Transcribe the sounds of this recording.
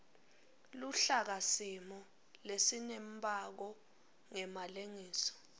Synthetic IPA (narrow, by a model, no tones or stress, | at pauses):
luɬak̬asimɔ | lesinembʱʼak̬ɔ | ŋɛmaleŋiːsɔ̥